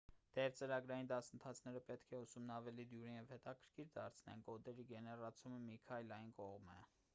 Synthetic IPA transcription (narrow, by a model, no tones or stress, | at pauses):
d̪̥ɛɾt͡səɾɑɡɾɑjind̪ɑsənt̪ʰɑt͡sʰnɛɾəpɛt̪kʰɛusumnɑvɛlid̪juɾinjɛvhɛt̪ɑkʰəɾkʰiɾd̪ɑɾt͡sʰnɛ̰nɡɔd̪ɛɾiɡɛnɛrɑt͡sʰuməmikʰɑjlɑjinkɔʁmɛ̰